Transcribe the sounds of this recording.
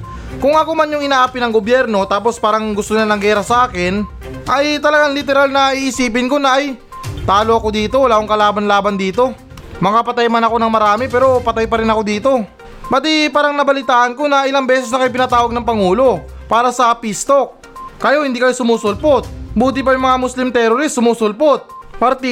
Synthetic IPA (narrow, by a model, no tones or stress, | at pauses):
kʊŋɐko̞manjʊŋɪnaʔaːpɪnɐŋɡobjɛɾno̞t̪aːpo̞spaːɾɐŋɡʊst̪oɲɐnɐɡɛːɾɐsɐʔaːkɪn | ʔɐjt̪ɐlɐɡaŋlɪt̪ɛɾalnɐiʔɪsiːp̬ɪnko̞nɐʔːj | t̪aːloʔɐkod̪iːt̪o̞wlaʔoŋkɐlaːbɐnlaːbɐnd̪iːt̪o̞ | mɐkapɐt̪ajmanɐko̞nɐŋmɐɾaːmɪpɛːɾo̞pɐt̪ajpɐɾɪnɐko̞d̪iːt̪o̞ | bɐt̪ipaːɾɐŋnɐbɐlɪt̪aːʔɐnko̞nɐʔɪlaŋbɛːsɛs̬nɐkɐjp̬ɪnɐt̪aːwɐɡ̚nɐŋpɐŋuːlo̞paːɾɐsɐpist̪o̞k̚ | kːɐjo̞hɪnd̪iːkɐjosʊmuːsʊlpot̪̚buːt̪̬ɪp̬ɐjʊjmɐŋamʊslɪmt̪ɛɾoɾist̪sʊmuːsʊlpot̪̚pɐɾt̪i